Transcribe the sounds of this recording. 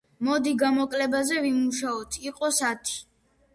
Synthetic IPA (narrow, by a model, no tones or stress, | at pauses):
mɔd̪iɡamɔkʼlɛbazɛvimuʃaɔt̪ʰiqʼɔsat̪ʰi̥